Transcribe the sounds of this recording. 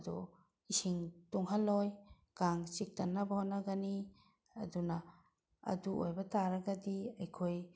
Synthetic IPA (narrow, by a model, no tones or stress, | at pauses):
dɔ̰ | isiŋtuŋɦalɔj | kaŋt͡ʃik̚tanːabahɔnːaɡani | aduna | ɐ̰duojbataɾaɡadiajkʰoj